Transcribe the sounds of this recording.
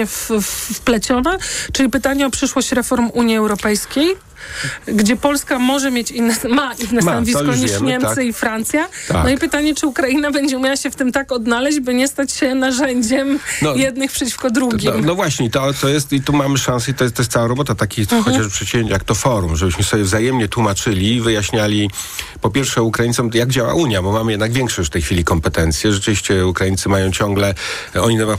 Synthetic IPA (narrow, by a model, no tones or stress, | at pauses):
ɛffplɛt͡ɕɔnat͡ʂɘlʲipɘt̪aɲɛɔpʂɘʂwɔɕt͡ɕɾɛfɔɾmuɲjiɛwɾɔpɛjskʲej | ɡd͡ʑɛpɔlskamɔʐɛmʲjet͡ɕinːɛsmaʔinnɛsanɔvʲijkɔiɛʂɲɛmt̪sɛifɾant̪sʲjat̪an̰ɔipɘt̪aɲɛt͡ʂɘukɾajinabɛɲd͡ʑɛumʲjawaɕɛft̪ɘmt̪akɔd̪nalɛʑd͡ʑbɘɲɛst̪at͡ɕɕɛnaʐɛɲd͡ʑɛmnɔjɛd̪nɘxpʂɛt͡ɕi̥fkɔd̪ɾuɡʲimnɔvwaɕɲɛit̪ɔt̪ɔjɛst̪it̪umamɘʂãsɛit̪ɔjɛst̪ɔjɛs̬t̪sawaɾɔbɔt̪at̪akʲixɔt͡ɕapʂɛt͡ɕivʲjẽɲt͡ɕjak̚t̪ɔfɔɾumʐɛbɘɕmɘsɔbʲɛvzajɛmɲɛt̪wumat͡ʂɘlʲivɘjaɕɲalʲi | pɔpʲjɛɾfʂɛukɾajint̪sɔmjaɡd͡ʑawa̰ʔuɲjabɔmamɘjɛd̪naɡvʲjɛŋkʂɔɕt͡ɕft̪ɛjxfʲilʲikɔmpɛt̪ɛnt̪sʲjɛʐɛt͡ʂɘvʲiɕt͡ɕɛukɾaint̪sɘmajɔ̃w̃t͡ɕɔŋɡlɛ | ɔɲit̪ɛba